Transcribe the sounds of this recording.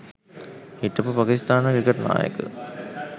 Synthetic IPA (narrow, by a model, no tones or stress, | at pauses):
hiʈːəpupakist̪aːnəʋikəʈna̰ːjə̰kə̰